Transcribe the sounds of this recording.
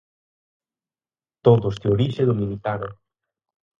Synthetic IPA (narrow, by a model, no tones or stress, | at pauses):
t̪oðʊsd̪eoɾiʃeðuminit̪ano